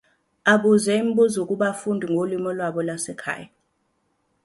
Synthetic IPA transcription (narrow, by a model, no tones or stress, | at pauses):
aɓuzɛim̩ɓuzuk̬ʼuɓafundʱiŋɡʱolimɔlwaɓɔlwasɛkʰa̰ːja